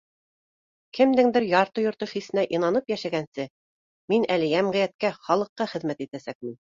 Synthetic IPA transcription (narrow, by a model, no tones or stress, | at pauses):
kɘ̆md̪ɘŋd̪ɘɾjɑɾt̪ɤjŏɾt̪ɤχisɘ̆næʔinɑnɤpjæʃæɡænsɘ | minælɘ̆jæmʁĭjæt̪̚kæχɑlˠɤ̆qːɑχɘ̆ðmæt̪it̪æsæk̚mɘn